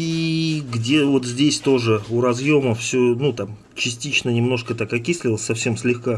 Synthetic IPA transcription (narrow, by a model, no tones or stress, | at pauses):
iɡdʲe̞vo̞t̪zʲdʲesʲt̪o̞ʐɨuɾɐzjo̞məfsʲonut̪am | t͡ɕɪsʲtʲit͡ɕnənʲɪmno̞ʂkət̪akɐkʲisʲlʲɪlˠəsʲsɐfsʲe̞msʲlʲɪxka